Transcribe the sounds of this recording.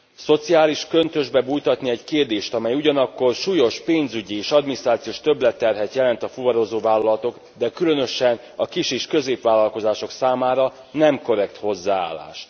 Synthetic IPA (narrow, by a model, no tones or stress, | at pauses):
so̞t̪siaːliʃkø̞nt̪ø̞ʒbɛbuːjt̪ɒt̪niɛɟkeːrd̪eːʃt̪ɒmɛjuɟɒnɒkːo̞rʃuːjo̞ʃpeːnzyɟieːʃɒd̪minist̪raːt̪sijoːʃt̪ø̞blɛt̪ːɛrɦɛt̪jɛlɛnt̪ɒfuvɒɾoːzoːvaːlːɒlɒt̪o̞ɡ | d̪ɛkylø̞nø̞ʃɛn | ɒkiʃeːʃkø̞zeːpʋaːlːɒlko̞zaːʃo̞ksaːmaːɾɒ | nɛmko̞ɾɛkt̪ho̞zːaːa̰ːlːa̰ːʃt̪